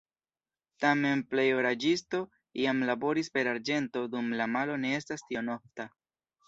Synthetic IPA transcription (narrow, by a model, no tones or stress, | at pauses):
tame̞nple̞joɾad͡ʒisto̞ | iamlabo̞ɾispe̞ɾaɾd͡ʒe̞nto̞dumlamalo̞ne̞e̞stastiono̞fta